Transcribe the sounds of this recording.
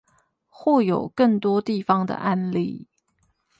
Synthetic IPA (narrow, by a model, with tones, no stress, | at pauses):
xwɔ˥˩jo˨˩ʊkə˥˩ŋt̪wɔ˥t̪i˥˩fɑ˨˩ŋd̪ə̰˨˩ʔa˥nli˥˨